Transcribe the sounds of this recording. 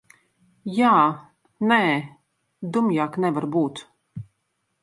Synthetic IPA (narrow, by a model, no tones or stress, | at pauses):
jaː | nɛː | d̪umjaːknɛvaɾbuːt̪